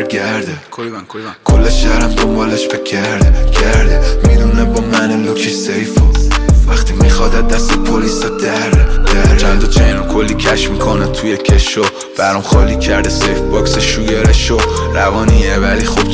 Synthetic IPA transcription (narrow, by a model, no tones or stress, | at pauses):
ɾɡæɾd̪e | kʰolːeʃæhɾæmd̪ombɒːleʃbeɡæɾd̪ecʰæɾd̪emid̪unebɒːmæneluːt͡ʃʰisejfovæχt̪ʰimixɒːd̪æd̪̚d̪æst̪epʰoliːsɒd̪æɾd̪̥æɾt͡ʃʰænd̪ot͡ʃʰæjnɔkʰolːiːcʰæʃmiːkʰonet̪ʰujecʰeʃo | b̥æɾumxɒːliːcʰæɾd̪esejfbɒːkseʃuːjeɾeʃoɾævɒːnievæliːxob